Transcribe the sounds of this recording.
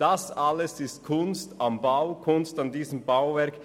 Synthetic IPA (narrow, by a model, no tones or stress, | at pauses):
d̥ɑsaləsɪst̚kʰʊnstambaʊkʰʊnstandiːzəmbaʊvɛɾk